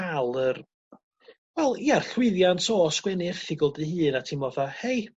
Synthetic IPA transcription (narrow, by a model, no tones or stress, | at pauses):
alˠər | wɛlˠjar̥ɬwɪɨðjantʰɔːsɡ̥wɛniɪrθɪɡɔlˠdɨhɨːnatʰiːmɔðahej